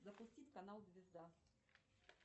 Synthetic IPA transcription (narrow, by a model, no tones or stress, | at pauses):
zɐpʊsʲtʲitʲkɐnalˠzʲvʲɪzd̪a